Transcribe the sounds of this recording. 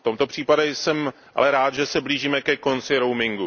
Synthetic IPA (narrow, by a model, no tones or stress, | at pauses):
t̪o̞mt̪o̞pr̝̥iːpadɛjsɛm | ʔa̰lɛɾaːt̪ʒɛsɛbliːʒiːmɛkɛko̞nt͡sɪɾo̞wmɪŋɡu